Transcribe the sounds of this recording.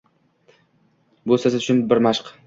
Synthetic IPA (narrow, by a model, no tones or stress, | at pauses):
bosasɪd̪ʊt͡ʃʰʊnbɪɾmaʃq